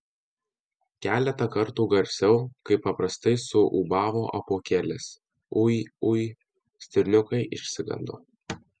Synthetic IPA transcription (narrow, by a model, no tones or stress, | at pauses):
kʲæːlʲɛt̪ɐkɐɾt̪uːɡɐɾʲsʲɛʊkɐɪpːɐpɾɐst̪ɐɪsʊʔṵːbɑːʋoːʔɐpoːkʲɛlʲɪs | ʊiʊ | sʲt̪ʲɪɾʲnʲʊkɐɪʔɪ̰ʃʲsʲɪɡɐ̰nd̪o̰ː